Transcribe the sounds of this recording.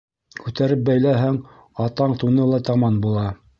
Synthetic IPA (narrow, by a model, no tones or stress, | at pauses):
kʉt̪æɾɘp̚bæjlæɦæŋ | ɑt̪ɑɴt̪unɤlˠɑt̪ɑmɑnbulˠɑ